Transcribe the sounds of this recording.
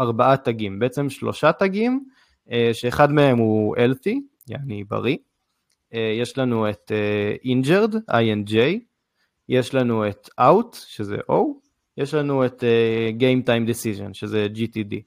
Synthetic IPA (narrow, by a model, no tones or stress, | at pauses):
aʁbaʔataɡimbeʔet͡se̞mʃlo̞̰ʃataɡim | eʃe̞ːχadmee̞mhuʔelθi | jaaniba̰ʁi | eje̞ʃlanue̞teʔind͡ʒeʁda̰jend͡ʒej | je̞ʃlanue̞tawtʃezḛʔow | jeʃlanueteɡejmtajmd̪esiʒo̞̰nʃezed͡ʒitidḭ